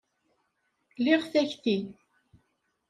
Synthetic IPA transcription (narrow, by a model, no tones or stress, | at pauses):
lɪʁθæçθin